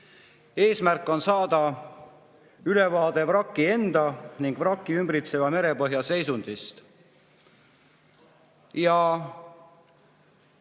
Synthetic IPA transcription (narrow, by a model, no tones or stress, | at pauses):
e̞ːsmærkːˑo̞nsɑːd̪ɑ | yle̞vɑːd̪̥e̞vrɑkˑːie̞nd̪̥ɑniŋɡ̥vrɑkˑːiymbɾit̪se̞vɑme̞ɾe̞pɤ̞ɦjɑse̞jsund̪̥ist̪ | jɑ